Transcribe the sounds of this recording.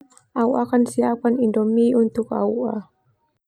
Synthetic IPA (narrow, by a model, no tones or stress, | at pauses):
ʔawʔakansiakanindɔmiʔunt̪uka̰uʔa